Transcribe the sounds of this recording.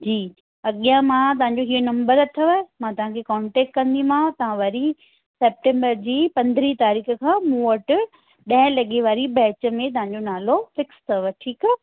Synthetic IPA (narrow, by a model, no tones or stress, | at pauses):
d͡ʑiː | ɐɠijãmãt̪̬ɐʋ̤ãɲd͡ʑoɦiːonɐ̃mbəɾɐt̪ʰɐʋəmãt̪ɐʋãkʰekɔːɳʈeːk̚ʈkɐ̃nd̪ĩm̤ãt̪ɐʋ̤ãʋɐɾi | seːp̚ʈẽːmbəɾd͡ʑiːpɐ̃nd̪ʱɾit̪aːɾiːkə̆kʰãːmũːəʈɪ | ɗɐ̃ɦɪ̃lɐɠeʋaːɾibɛːt͡ɕə̆mẽt̪ɐʋ̤ãɲ̆d͡ʑonaːlofɪkst̪ʰɐʋəʈʰiːk